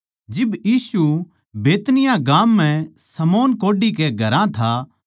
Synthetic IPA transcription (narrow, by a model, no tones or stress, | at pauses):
d͡ʒɪbjiːsu | beːt̪nɪjãɡaːmːɛ̃sɐmoːnkoːɖikeɡʱɐɾãt̪ʰaː